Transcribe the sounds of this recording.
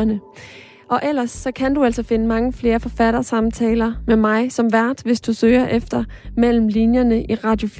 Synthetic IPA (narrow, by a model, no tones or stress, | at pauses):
nə | ʔɒ̽ʔel̰ɐsːɒ̽kʰænd̥uæl̰sɒ̽fe̝nəmɑ̈ŋəfle̝ːɐfɒ̽fæɾ̥ɐsɑ̈mt͡sʰɛːlɐmemɑ̈ɪsɒ̽mʋæɐ̰d̥ʋe̝sd̥usøːɐʔefd̥ɐmel̰m̩linjɐnəʔiʁɑ̈d̥jo̝f